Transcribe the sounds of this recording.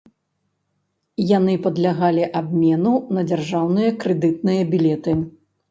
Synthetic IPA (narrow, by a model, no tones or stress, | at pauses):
janɨpɐd̪lʲaɣalʲiʔabmʲɛnunɐd͡zʲarʐawnɨjɐkɾɨd̪ɨt̪̚nɨjɐbʲilʲɛt̪ɨ